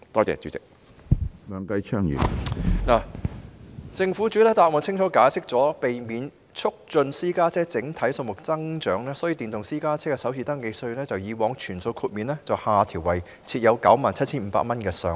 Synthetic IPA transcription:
t̪ɔː˥t͡sɛ̰ː˨˧t͡ʃy˨˥t͡sɪ˨k̚ | lœː˨˧ŋkɐ˧jt͡ʃʰœː˥ŋjy̰˨˩naː˨˩ | t͡sɪ˧ŋfu˨˥t͡ʃyː˨˥t̪ʰːt̪aː˧˨mɔː˨˩t͡sʰɪ˥ŋt͡ʃʰɔː˨˥kaː˨˥jsɪ˥k̚t͡sɔː˨˥pe˨jmiː˨˧n | t͡ʃʰʊ˥k̚t͡ʃɵ˧nsiː˥kaː˥t͡sʰɛː˥t͡sɪ˨˥ŋt̪ʰɐ˨˥jso˧ŋmʊ˨k̚t͡sɐ˥ŋt͡ʃœː˨˥ŋlɛː˥sɔː˨˥ji˧t̪iː˨nt̪ʊ˨ŋsiː˥kaː˥t͡sʰɛː˥kɛː˧sɐ˨˥wsʰiː˨t̪ɐ˥ŋke˧jsɵ˧ɥlɛː˥t͡sɐ˨wjiː˨˧wɔː˨˧ŋt͡ʃʰyː˨˩nso˧wkʰuː˧t̚miː˨nlɛː˥t͡sɐ˨whaː˨˩t̪ʰiː˨˩wɐ˨˩j | t͡sʰiː˧t̚jɐ˨˧wkɐ˨˥wmaː˨nt͡sʰɐ˥t̚t͡sʰiː˥nm̩˨˧pa̰ː˧k̚mɐ˥nkɛː˧sœː˨˧ŋ

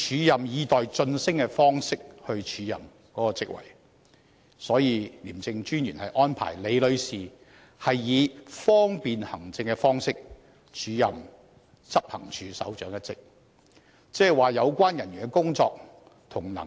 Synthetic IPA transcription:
t͡ʃʰyː˨˧˥jɐ˨mjiː˨˧t̪ɔː˨jt͡sɵ˧nsɪ˥ŋkɛ˧fɔː˥ŋsɪ˥k̚hɵ˧ɥt͡ʃʰyː˨˥jɐ̰˨m | kɔː˨˥kɔː˧t͡sɪ̰˥k̚wɐ̰˨˩j | sɔː˨˥jiː˨˧liː˨˩mt͡sɪ˧ŋt͡ʃyː˥njyː˨˩nhɐ˨jʔɔː˥npʰa̰ː˨˩jle˨˧jlɵ˨˧ɥsiː˨˩ | hɐ˨jːiː˨˧fɔː˥ŋpiː˨nhɐ˨˩ŋt͡sɪ˧ŋkɛ˧fɔː˥ŋsɪ˥k̚ | t͡ʃʰyː˨˥jɐ˨m | t͡sɐ˥p̚hɐ˨˩ŋt͡ʃʰyː˨˧sɐ̰˨˥wt͡ʃœː˨˥ŋjɐ˥tt͡sɪ˥k̚ | t͡sɛː˥˨jwaː˨jɐ˨˧wkʷaː˥njɐ˨˩nɥyː˨˩nɛ˧kʊ˥ŋt͡sɔː˧k̚ | t̪ʰʊ˨˩ŋnɐ̰˨˩

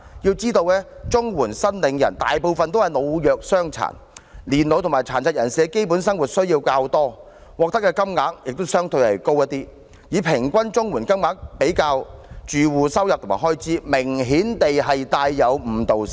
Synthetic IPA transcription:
jiː˧wt͡siː˥t̪o˧wlɛː˥t͡sʊ˥ŋwuː˨˩nsɐ˥nlɪ˨˥ŋjɐ˨˩nt̪a̰ː˨jpo˨˧wfɐ˨nt̪o˥whɐ˨˩jno˨˧wjœː˨k̚sœː˥ŋt͡sʰa̰ː˨˩n | liː˨˩nlo˨˧wt̪ʰʊ˨˩maː˨jt͡sʰaː˨˩nt͡sʰɐ˨t̚jɐ˨˩nsiː˨˧˥ke˥jpuː˨˥nsɐ˥ŋwuː˨t̚sɵ˥ɥjiː˧wkaː˧wt̪ɔː˥ | wɔː˨k̚t̪ɐ˥kːɛː˧kɐ˥mŋaː˨˥k̚jɪ˨k̚t̪o˥wsœː˥ŋt̪ɵ˧ɥhɐ˨jko˥wjɐ˥t̚t̪iː˥ | jiː˨˧pʰɪ˨˩ŋkʷɐ˥nt͡sʊ˥ŋwuː˨˩nkɐ˥mŋaː˨˥k̚pe˨˥jkaː˧wt͡ʃyː˨wuː˨sɐ˥wjɐ˨p̪̚ʰmaː˨˩ɦɔː˥jt͡siː˥mɪ˨˩ŋɦiː˨˥nt̪e˨jɦɐ˨jt̪aː˧jːɐ˨˧wm̩˨˩t̪o˨w

